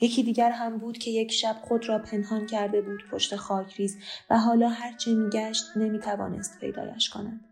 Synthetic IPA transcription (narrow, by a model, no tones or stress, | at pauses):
je̞cʰiːd̪iːɟæɾɦæmbuːd̪̥cʰe̞je̞cʰʃæb̥̚χo̞d̪ɾɒːpʰe̞nhɒːncʰæɾd̪e̞buːd̪̥pʰo̞ʃt̪e̞xɒːcʰɾiːzvæɦɒːlɒːɦæɾt͡ʃʰemiːɟæʃt̪ne̞miːt̪ʰævɒ̰ːne̞̰st̪pʰejd̪ɒ̰ːjæ̰ʃkʰo̞̰næn̥